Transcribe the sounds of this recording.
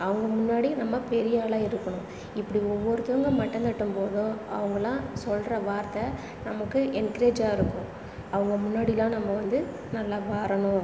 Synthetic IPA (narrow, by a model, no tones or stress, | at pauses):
ɐʋɐŋɡɐmʊnːaːɽinɐmːɐpɛɾɪjaːlaːɪɾɯkːɐɳʊ̃ | ɪpːɐɽiɔʋːɔɾɯt̪ɯʋɐŋɡɐmɐʈːɐnd̪ɐʈːɯmpoːðʊ̃ɐ̰ʋɐŋɡɐlãːsɔlɾɐʋaːɾt̪ɐ | nɐmɐkːɯʔɛnkɐɾeːd͡ʒaːɪɾɯkːʊ̃ | ɐʋɐŋɡɐmʊnːaːɽɪlãːnɐmːɐʋɐnd̪ɯ | nɐlːaːʋaːɾɐɳʊ̃